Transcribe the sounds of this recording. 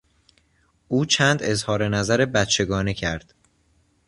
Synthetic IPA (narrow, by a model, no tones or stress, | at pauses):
ʔuːt͡ʃʰæːnd̪e̞zhɒːɾe̞næzæɾe̞bæt̪t͡ʃʰe̞ɡɒːnecʰæɾd̪̥